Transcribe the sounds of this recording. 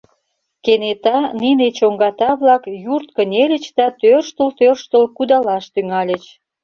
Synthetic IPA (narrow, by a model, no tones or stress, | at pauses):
kenet̪ɑninet͡ɕoŋɡɑt̪ɑβlɑkjurt̪kənʲelʲət͡ɕd̪ɑt̪ørʃt̪əlt̪ørʃt̪ə̆lkud̪ɑlɑʃt̪yŋɑlʲet͡ɕ